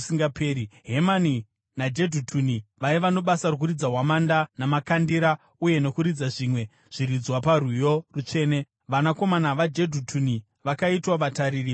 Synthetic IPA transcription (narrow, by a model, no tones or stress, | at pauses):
siŋɡapeːɾiɦe̞mani | nad͡ʒe̞dʱutʰuniʋaiʋano̞ɓasarok̬uɾid͡zaɦwamandanamakandiɾa | uje̞no̞kuɾid͡zaʐiːmwe̞ | ʐ̥iɾid͡zwaparujo̞rut͡ʂe̞ːne̞ | ʋanako̞manaʋad͡ʒe̞dʱutʰuni | ʋakaitwaʋataɾiːri